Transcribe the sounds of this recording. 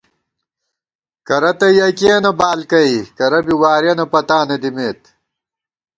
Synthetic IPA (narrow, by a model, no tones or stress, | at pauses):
kɐɾɐt̪ɐjɐkeːnɐbaːlkɐikɐɾɐbiwaːɾjɐnɐpɐt̪aːnɐd̪imeːt̪